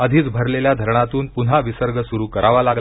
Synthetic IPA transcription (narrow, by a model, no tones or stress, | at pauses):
əd̪ʱiːt͡sbʱəɾleljad̪ʱəɾɳat̪uːnpunɦaʋisəɾɡəsuɾuːkəɾaʋalaɡl